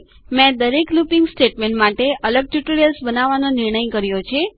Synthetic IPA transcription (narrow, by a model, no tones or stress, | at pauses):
mɛ̃d̪əɾeklupĩŋɡsʈeʈmẽɳʈmaʈeʔələɡ̚ʈjuʈoɾijəlsbənaʋanonɪɾɳəjkəɾjot͡ʃʰe